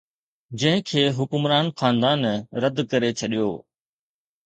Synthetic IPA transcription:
d͡ʑɐ̃ɦɪ̃kʰeːɦʊkʊmɾaːnxaːnd̪aːnɾɐd̪kɐɾet͡ɕʰɐɗijoː

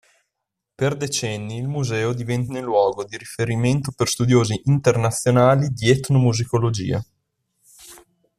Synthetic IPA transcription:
perd̪et͡ʃɛnːiːlmuzɛːod̪ivɛnt̪anelːwɔːɡod̪iɾifeɾiment̪operst̪ud̪joːziʔːnt̪ernat̪sːjonaːlid̪iɛt̪nomuzikolod͡ʒḭːa̰

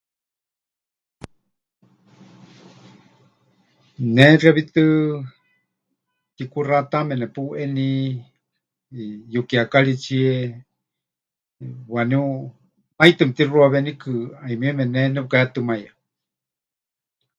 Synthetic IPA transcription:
nɛraβit̪ɨ | t̪ikurat̪amɛnɛpuʔɛni | jukiakaɺit͡ʃiɛ | waniu | ajt̪ɨmt̪iruaβɛnikɨaimiɛmɛnɛnɛukaat̪ɨmaja

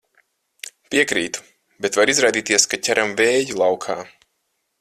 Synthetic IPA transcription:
piɛkɾiːt̪u̥ | bɛt̪vaɾizɾajd̪iːt̪iɛskacʲæɾʔamvɛːjulˠawkʰaː

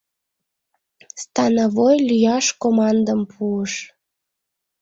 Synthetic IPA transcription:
st̪ɑnovojlyjɑʃkomɑnd̪əmpʰuəʃ

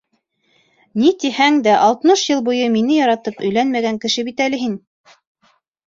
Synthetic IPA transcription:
nit̪ihæŋd̪æʔɑlˠt̪ɤnɤʃjɤlˠbujɤminɘjɑɾɑt̪ɤpɵ̆jlænmæɡæŋkɘ̆ʃɘbit̪ælɘɦin

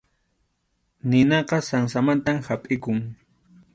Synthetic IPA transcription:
nɪnɑqɑsaŋsamant̪amhapʼɪkʊŋ

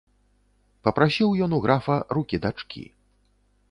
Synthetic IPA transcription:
pɐpɾasʲiwjɔnuɣɾafɐɾukʲid̪at͡ʂkʲʰḭ

